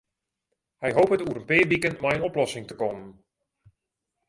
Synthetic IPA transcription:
hɛjɦowpətuəɾənpɪːʋikənmɛjənɔplɔsɪŋtəkɔmən

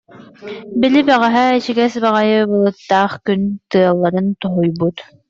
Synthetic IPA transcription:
bilibæʁæɦɛiʃiɡɛsbaʁajɯbɯlˠɯt̪ːaːχkynt̪ɯɐlˠːaɾɯnt̪ɔɦɔjbut̪

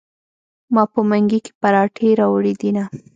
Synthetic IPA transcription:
mɑpəmaŋɡike̥paɾɑʈʰeɾɑwɽid̪ina

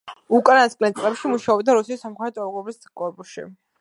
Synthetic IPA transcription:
ukʼanaskʼlɛnsʼlɛpʃimuʃaɔbd̪aɾusiisamkʰɛt̪ʼɔɾɡɔbiskʼɔɾpʼuʃḭ

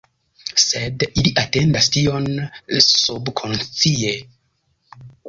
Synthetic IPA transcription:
se̞diliʔate̞ndastio̞nsubkʰo̞nt͡sie̞

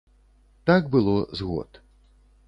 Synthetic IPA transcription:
t̪aɡ̚bɨlˠɔzɣɔ̰t̪

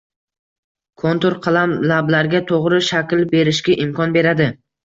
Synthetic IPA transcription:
kʰont̪oɾqʰɑlˠamlablaɾɡʲat̪ʰoʁɾɪʃakʲlbe̞ɾɪʃɡʲaʔɪmkʰɒnbe̞ɾad̪ɪ

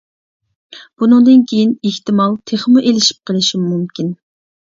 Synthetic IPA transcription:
b̥unɨŋd̪ɨnkʲʰejineht̪ɪmɑlˠt̪ʰeχmuʔelɪʃi̥p̚qʰəlˠɨʃimːumkʲin

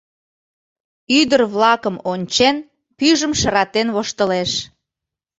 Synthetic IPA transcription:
yd̪ərβlɑkəmonʲt͡ɕen | pyʒəmʃəɾɑt̪enβoʃt̪əleʃ

